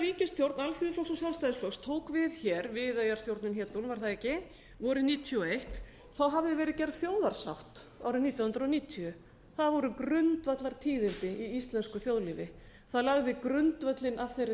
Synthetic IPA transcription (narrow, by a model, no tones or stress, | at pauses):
ɾviːcɪnst̪jowɾt̪nalfiːðʏflɔksɔsjalst̪ajðɪsflɔkst̪ʰoːwkvɪðçɛːɾvɪðajḁst̪jowɾt̪nɪnçjɛːt̪unvaɾθaðɛcɪ | vɔɾʏniːt̪ʰiɔejht̪ | θawɦavðɪvɛːɾɪðcɛɾð̥θjoːwðaɾ̥sa̰wht̪awɾʏmnit̪jahʏnɾoniːt̪ʰiʏ | θaðvɔɾʏkɾʏnt̪vat̪laɾ̥t̪ʰiːðɪnt̪ɪʔiist̪lɛnskʏθjoːwðliːvɪ | θaðlaɣðɪkɾʏnt̪vat̪lɪnaðθejɾɪ